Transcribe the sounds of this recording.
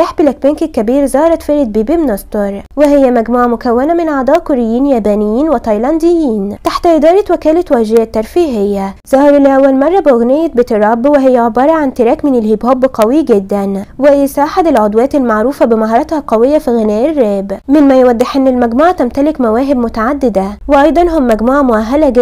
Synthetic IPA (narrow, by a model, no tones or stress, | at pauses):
aħbɪlæk̚benkɪkːæbiːɾzɑːɾˤɑt̪fɪɾɪt̪̚biːbimnɑst̪oɾˤwɪɦɪjːæmæɡmuːʕamʊkæwːænamɪnʕɑd̪ˤɑːʔkʊɾɪjːiːnjæːbæːnɪjːiːnwɪt̪ɑjlɑnd̪ɪjːiːnt̪aħt̪ʔɪd̪ɑːɾˤɑt̪wækæːlɪt̪wæːʒɪjæt̪ːɑɾˤfiːɦɪjːæz̥ɑhɑɾɪlːʔæwːælmɑrˤːɑbɪɣnɪjːæt̪bɪt̪ɑɾˤɑbwɪɦɪjːæʕebɑːɾˤɑʕant̪ɪɾæːkmɪnɪlhibhoːbːqɑwiɡed̪ːænwɪjɪsaːħɪd̪ɪlʕod̪ˤwæːt̪ɪlmaʕɾuːfabɪmɑɦɑːɾˤɑt̪hɑqɑwɪjːafiɣɪnæːʔɪrːæːbmɪnmæjwæd̪ˤːɪħʔɪnːɪlmæɡmuːʕat̪æmt̪ælɪkmæwæːɦɪbmʊt̪aʕad̪ːɪd̪awɪʔɑjd̪ˤɑnɦʊmːæɡmuːʕamʊʔaɦːalæɡ